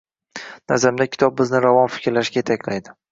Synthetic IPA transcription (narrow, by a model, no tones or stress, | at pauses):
nazamd̪akʲʰɪ̥t̪ʰɒb̚bɪznɪɾavɒnfɪ̥kʲɾlaʃɡʲajet̪ʰakʲlajd̪ɪ